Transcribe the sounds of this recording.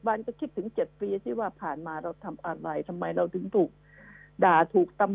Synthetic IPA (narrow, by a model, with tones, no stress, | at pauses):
baː˧nka˧˩kʰi˦˥t̪ʰːɯ˨˩˦ŋt͡ɕe˨˩t̪̚piː˧t̪ʰiː˥˩waː˧˩pʰaː˨˩nmaː˧ɾa˧wt̪ʰa˧mʔa˧ɾa˧jt̪ʰa˧mːa˧jɾa˧wt̪ʰɯ˨˩˦ŋt̪ʰuː˨˩k̚ | daː˨˩t̪ʰuː˨˩k̚t̪a˧m